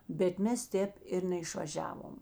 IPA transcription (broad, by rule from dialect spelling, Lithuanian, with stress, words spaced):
bʲɛt ˈmʲɛs ˈtʲɛːp ɪr nʲɛɪʃʋɐˈʒʲæːʋoːm